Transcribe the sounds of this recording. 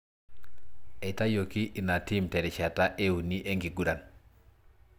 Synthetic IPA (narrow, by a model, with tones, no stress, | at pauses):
ɛ˨ta˦jo˨ki˦ʔːna˨ti˦mtɛ˨dɛ˨t͡ʃa˨ta˦ʔe˦u˨ni˦ʔe˦ŋɡi˨ɡu˨ɾa˨n